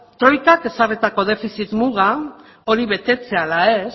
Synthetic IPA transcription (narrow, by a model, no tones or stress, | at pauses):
t̪ɾo̞jkake̞saret̪ako̞ð̞e̞fisit̪muɣa | o̞ɾiβe̞t̪e̞t͡se̞alae̞s